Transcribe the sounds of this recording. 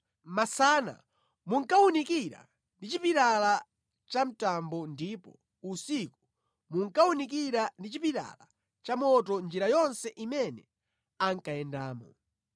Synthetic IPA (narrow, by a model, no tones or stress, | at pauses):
masaːna̰ | muŋkaunikiɾa̰ | ndit͡ʃipiɾala | t͡ʃam̩tambɔndipɔ | usiku | muŋkaunik̬iɾandit͡ʃipiɾa̰la | t͡ʃamɔt̬ɔnd͡ʒiɾajɔnsɛʔimɛnɛ | aŋkajɛndaːmɔ̰